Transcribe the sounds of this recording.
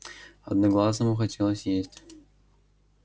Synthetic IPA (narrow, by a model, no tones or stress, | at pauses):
ɐd̪̚nɐɡlˠas̬əmuxɐtʲelˠəsʲjesʲtʲ